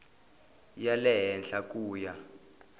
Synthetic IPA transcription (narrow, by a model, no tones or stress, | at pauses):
jalɛɦɛnɬakʼuːja